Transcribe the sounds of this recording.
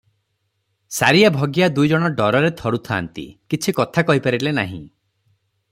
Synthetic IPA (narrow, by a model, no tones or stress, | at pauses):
saɾiabʱɔɡjad̪ujd͡ʒɔɽ̃ɔɖɔɾɔɾet̪ʰɔɾut̪ʰaːnt̪ḭkit͡ʃʰikɔt̪ʰakɔɦipaɾilena̰ɦḭ̃